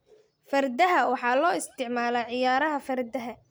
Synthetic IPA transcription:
fɐrd̪ɐɦɐwɑħɑːlɔːɪst̪ʰɪʕmaːlɐʕɪjaːɾɐɦɐfɐrd̪ɐɦɐ

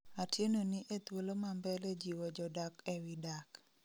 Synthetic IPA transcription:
atjenoniʔet̪wolomambɛled͡ʒiwod͡ʒɔdakewidak

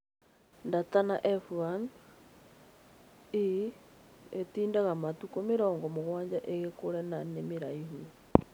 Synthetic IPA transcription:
ndatanaʔɛfuan | i | etiːndaɣamatukomeɾɔːŋɡɔmoɣwaːɲd͡ʒaʔeɣekoɾɛnanemeɾaiɦu

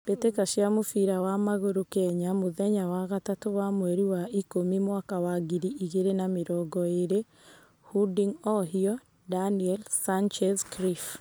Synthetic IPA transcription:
b̥etekaʃjamofiɾawamaɣoɾokɛɲamoðɛɲawaɣatatoβamwɛɾiwaikomimwakawaɡiɾiʔiɣeɾenameɾɔɡɔeɾe | hudiŋɔɦiɔ | daniɛlsant͡ʃɛzkɾif

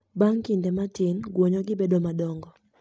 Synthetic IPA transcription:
baŋkɪndɛmatɪnɡwoɲɔɡɪbedɔmadɔŋɡɔ

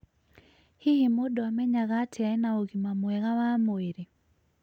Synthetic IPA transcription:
hihimodɔamɛɲaɣatʰɪaɛnaoɣimamwɛɣawamoeɾi

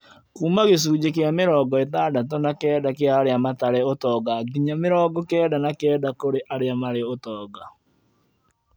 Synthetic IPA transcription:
kuːmaɣes̬uːd͡ʒekeameɾɔːɡɔetadatɔnakɛːdakeaːɾeamataɾeotɔːɡaɡiɲameɾɔːɡɔkɛːdanakɛːdakoɾeʔaɾeamaɾeotɔːɡa

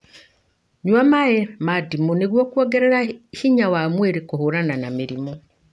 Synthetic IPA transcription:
ɲwamaemadimuneɣwokwɔɡɛɾɛɾahiɲawamweɾekohoɾananamiɾimo

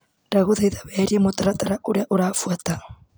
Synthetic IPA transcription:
ɾaɣoðeiðaβɛɾiemotaɾataɾaʔoɾeaʔoɾaːfuata

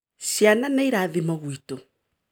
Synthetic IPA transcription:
ɕjananaiɾaðimɔɣwito

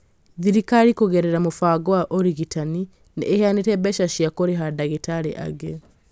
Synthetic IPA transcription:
ðiɾikaɾikoɣeɾeɾamofaːɡowaʔoɾiɣitani | nḛːhjanetɛbɛʃaʃjakoɾeɦadaɣitaɾeʔa̰ɡe

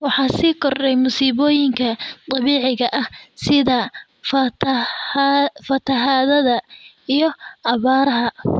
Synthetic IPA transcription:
wɑħɑːsiːkʰɔrdɛjmʊsiːβɔːjɪŋkʰɐt̪ˤʼɑβiːʕɪɣɐʔɐhsɪðɐ | fɐt̪ʰɐɦaːðɐðɐ | ijɞʔɑβaːɾɐɦɐ

